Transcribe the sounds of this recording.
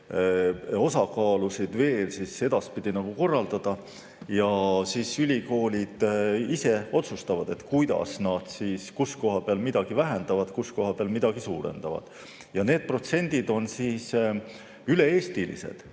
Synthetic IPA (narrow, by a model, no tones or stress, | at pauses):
o̞sɑkɑːlusid̪̥ve̞ːlsise̞d̪ɑspid̪̥inɑɡ̥uko̞rːɑld̪̥ɑd̪̥ɑ | jɑsiːsylʲiko̞ːlʲid̪̥ise̞o̞t̪sust̪ɑvɑd̪̥e̞t̪ˑkujd̪̥ɑ̰snɑd̪̥siːskusko̞ɦɑpeɑlmid̪ɑɡ̥ivæɦend̪ɑvɑd̪̥kusko̞ɦɑpeɑlmid̪̥ɑɡ̥isuːɾḛnd̪̥ɑvɑ̰d̪̥ | jɑne̞ːd̪̥̚pro̞t̪se̞nʲd̪̥id̪̥o̞nsiːs | yle̞eːst̪ilḭsḛd̪̥